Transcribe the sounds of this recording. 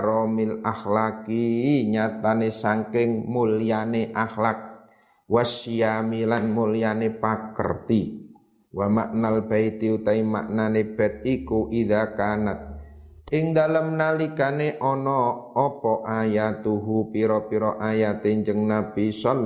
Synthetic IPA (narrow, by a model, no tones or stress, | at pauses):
ɾɔmilahlakiɲat̪anesaŋkɪŋmulijaneʔahlak̚ | wasiamilanmulianepakə̰rt̪i | wamaʔnalb̥ait̪iut̪aima̰ʔnaneb̥ɛt̪̚ikuʔiðakanat̪̚ | ɪŋd̪aləmnalikaneʔɔnɔːpɔʔajat̪uɦupiɾɔpiɾɔʔajat̪eɲd͡ʒəŋnabisɔn